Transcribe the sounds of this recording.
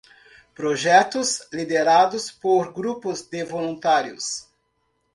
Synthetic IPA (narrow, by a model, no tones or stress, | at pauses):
pɾoʒɛt̪ʊslid̪eɾad̪ʊspoɾɡɾupʊzd̪evolũnt̪aɾjʊ̰s